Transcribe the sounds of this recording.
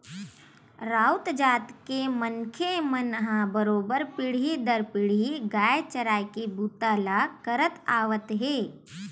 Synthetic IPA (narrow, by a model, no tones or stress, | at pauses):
ɾaːʊt̪d͡ʒaːt̪kemənkʰemənɦãbəɾoːbəɾpɪɽ̤id̪əɾpɪɽ̤iɡaːjet͡ʃəɾaːjkebuːt̪aːlakəɾət̪aːʋət̪ɦeː